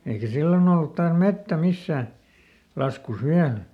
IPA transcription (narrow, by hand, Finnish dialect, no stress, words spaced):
eikæ silːon olːut tɑːs metːæ misːæː lɑskus ʋiæl